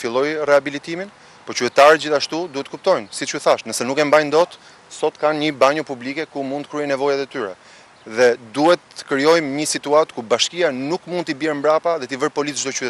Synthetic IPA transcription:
filˠɔjrɛabilit̪imin | pɔt͡ɕyt̪ɛt̪aɾɛd͡ʑiθaʃt̪ud̪uhɛt̪ːəkup̚t̪ɔjnsit͡ʃuθaʃnəsɛnukɛmbajnd̪ɔt̪ | sɔt̪kanɲəbaɲɔpublikɛkumũnd̪əkɾyɛjnɛvɔjat̪ɛt̪yɾɛ̰ | ðɛd̪uhɛt̪ːə̥kɾijɔjmɲəsit̪uat̪kubaʃkianukmũnd̪t̪ibjɛɾmbɾapaðɛt̪ivəɾpɔlit̪d͡ʒd̪ɔt͡ʃyɛ

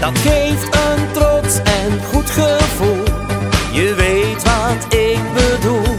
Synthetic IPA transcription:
d̥ɑtχejftəntrɔtsɛnχutχəvulˠjəʋejtʋɑtɪk̚bədulˠ

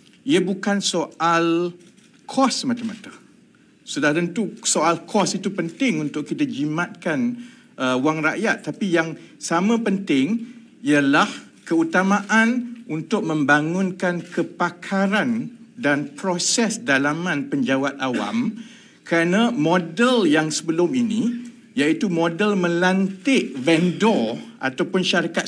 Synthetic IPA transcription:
iabukansoal | kʰɔsəmãt̪amat̪ə̥ | sudaht̪ənt̪usoalkʰɔsit̪upənt̪ɪŋunt̪ʊʔkit̪ad͡ʒimãt̪̚kan | ʔəwaŋraʔjat̪ːapijaŋsamãpənt̪ɪŋ | iəlah | kəut̪amãʔanunt̪ʊk̚mə̃mbaŋʊ̃nkankʰəpakʰaɾandanpɾosɛsdalamãnpəɲd͡ʒawat̪awa̰m | kəɾanãmɔdəljaŋsəbəlʊmini | jait̪umõdəlmə̃lant̪ɪʔvɛndɔa̰t̪awpʊnʃaɾikat̪̚

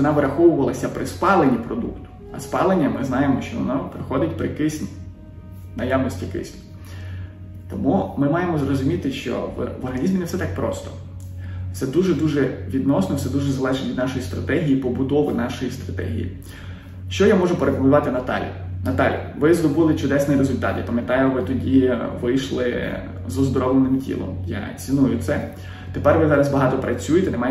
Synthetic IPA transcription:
ʋɔnɑʋɪɾɐxɔwʊʋɐlˠɐsʲɐpɾʔɪspɑlˠenʲipɾɔd̪ukt̪ʊ̥ | ɐ̰spɑlˠenʲːɐmɪznɑjemɔʃt͡ʃɔʋɔ̰nɔpɾɪxɔd̪ɪtʲpɾɪkɪsʲnʲi | nɐjawnɔsʲtʲikɪ̰sʲnʲi | t̪ɔmumɪmɑjemɔzrɔzʊmʲit̪ɪʃt͡ʃɔ̰ʋʋɔrɦɐnʲizmʲinefsɛt̪ɑk̚pɾɔst̪ɔ̥ | t̪ɛd̪uʒɛd̪uʒɛʋʲid̪nɔsnɔwsɛd̪uʒɛzɐlˠɛʒɛʋʲid̪nɑʃɔjist̪ɾɐt̪ɛɦʲijipɔbʊd̪ɔʋɪnɑʃɔjist̪ɾɐt̪ɛ̰ɦʲijḭ | ʃt͡ʃɔjamɔʒʊpeɾepɔʋʲʊʋɑt̪ɪnɐt̪ɑ̰lʲḭ | nɐt̪ɑlʲḭʋɪzɾɔbɪlˠɪt͡ʃʊd̪ɛsnɪjɾezʊlʲt̪ɑ̰t̪ja̰pɐmjɐt̪ɑjʊʋɪt̪ɔdʲiʋɪjʃlˠɪ | zɔzd̪ɔɾɔlˠenɪmtʲḭlˠɔ̰mjɑ̰t͡sʲinujʊt̪sɛ | t̪epɛrʋɪzɑɾɐzbɐɦɑt̪ɔpɾʔɐt͡sʲujet̪ɛnemɑj

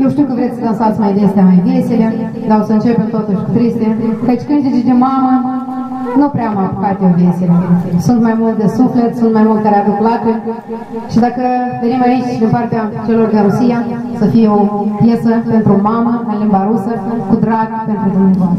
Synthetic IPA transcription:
jewʃt̪iuwkəvɾesʲsəlansat̪sʲmajd̪est̪eamajvesile̞ | d̪aosəɨnt͡ʃe̞pemt̪ot̪uʃʲkut̪ɾist̪ekat͡ʃʲkɨnd̪ed͡ʒd̪emamə | nupɾeamajpəkat̪eovesilesunt̪majmult̪̚d̪esufle̞t̪sunt̪majmult̪kaɾeabeklat̪e | ʃid̪akəved̪emait͡ʃʲd̪impart̪eat͡ʃe̞lo̞rɡ̪əɾusija | səfijeopjesəpe̞nt̪ɾomaməmalimbaɾusəkud̪ɾaɡpe̞nt̪ɾud̪umut̪

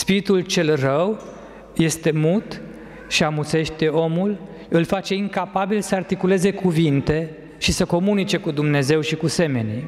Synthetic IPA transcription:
spiɾit̪ult͡ʃe̞lrəw | je̞st̪e̞mut̪ | ʃiamut̪se̞ʃt̪e̞o̞mul | ɨlfat͡ʃe̞iŋkapabilsəart̪ikule̞ze̞kuvint̪e̞ | ʃisəko̞munit͡ʃe̞kud̪umne̞ze̞wʃikuse̞me̞ni

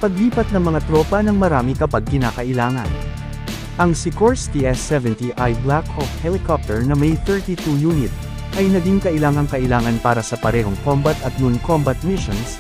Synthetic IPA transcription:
pɐɡliːpɐt̪̚nɐŋmɐŋat̪ɾoːpɐnɐŋmɐɾaːmɪkɐpaɡ̚ːɪnaːkɐʔɪlaːŋɐ̰n | ʔɐŋsɪkoɹst̪iʔɛsːɛvɛnt̪iʔɐjblakɔfhɛlɪkɔp̚t̪ɛɹnɐmɐjθɛɹt̪it̪ujuːnɪt̪̚ | ʔɐjnɐd̪iŋkɐʔɪlaːŋɐŋkɐʔɪlaːŋɐnpaːɾɐsɐpɐɾɛɦo̞ŋkombɐt̪ɐt̪̚nʊnkombɐt̪̚mɪʃons

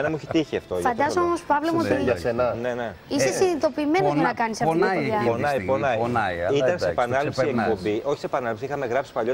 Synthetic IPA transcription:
enɐmuçit̪içiɐft̪ofɐnd̪ɐsomospɐvlomot̪iɐsenɐne̞neisessinit̪o̞piːme̞nozɐnɐkɐnisɐɐɐonɐiponɐinaiit̪ɐnsepɐnɐlepseiekpo̞mbiʔo̞çi̥sepɐnɐlepsiixɐme̞ɣɾɐpsi̥pɐʎo

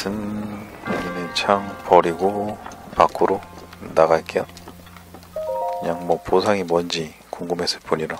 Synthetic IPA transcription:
sɯm | uɲinit͡ɕʰaŋpʌɾiɡopak͈ʰɯɾonaɣak͈eʌ | kɯɲaŋmʌposʰaŋimʌnd͡ʑi | koŋɡɯmes͈ɯ̥ɭpuɲiɾo

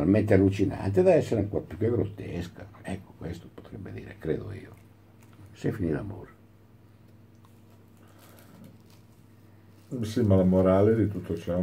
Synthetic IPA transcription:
alment̪ealːut͡ʃina̰nt̪eðaɛsːeɾuŋkoɾpokeɡɾot̪ːɛskaɛkːo̥kwest̪o̥po̥t̪ɾɛbːḛd̪ḭːɾekɾeːd̪o̰ḭːo | sefinila̰mo̰ɾ | simalamoɾaled̪it̪ut̪ːot͡ʃɛ

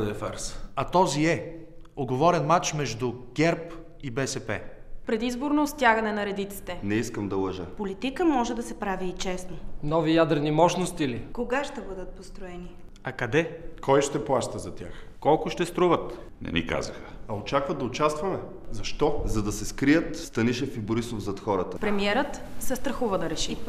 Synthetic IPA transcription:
ɛfa̰ɾsɐt̪ɔziɛoɡovɔɾɛnmat͡ʃmɛʒd̪uɡ̥ɛɾp | ibɛsɛpɛ̰ | pɾɛd̪izboɾnost̪ʲjaɡɐnɛnɐɾɛd̪it̪si̥t̪ɛnɛiskəmd̪ɐlˠɐʒəpolit̪ikəmɔʒɛd̪ɐsɛpɾaviːt͡ʃɛsnənɔvijad̪ɾɛnimɔʃnost̪ilikoɡaʃt̪ɛbɤd̪ət̪̚post̪ɾoɛni | ɐkɐd̪ɛkɔjʃt̪ɛplˠaʃt̪əzɐt̪ʲjax | kɔlˠkʊʃt̪ɛst̪ɾuvət̪ | nɛ̰nʲḭka̰zəxəɐot͡ʃakvəd̪d̪ɐot͡ʃast̪vɐmɛ | zɐʃt̪ɔzɐd̪ɐsɛskɾijət̪st̪ɐniʃɛfibʊɾisofzɐt̪xɔɾət̪əpɾɛmiɛɾət̪sɛst̪ɾɐxuvəd̪ɐɾɛʃi

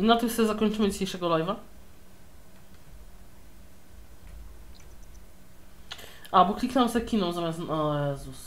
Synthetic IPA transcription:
inat̪oksɛzakont͡ʃumɛd͡ʒ̪iʃʲejʃɛɡolˠajva | abukʰlʲiknamsɛkʰʲinomzamasnajazus

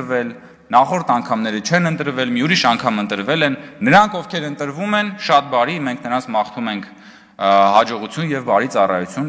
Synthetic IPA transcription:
vɛl | nɑχɔɾt̪ʰɑŋkʰɑmnɛɾət͡ʃʰɛnənt̪əɾvɛlmiuɾiʃɑŋkʰɑmənt̪əɾvɛlɛnːəɾɑŋkʰɔvkʰɛɾənt̪əɾvumɛnʃɑt̪̚bɑɾimɛŋkʰnəɾɑnt͡sʰmɑχt̪ʰumɛŋkʰ | ɦɑd͡ʒɔʁut͡sʰjunjɛvbɑɾit͡sɑrɑ̰jut͡sʰjun

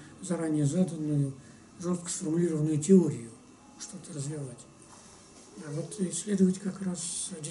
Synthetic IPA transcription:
zɐɾanʲɪjəzad̪ənːʊjʊ | ʐost̪̚kə̥sfərmʊlʲiɾəvənːʊjʊtʲɪoɾʲɪjʊ | ʂt̪o̞t̪ərəzvʲɪvatʲ | avot̪ɪslʲed̪əvətʲkakrasdʲɪ

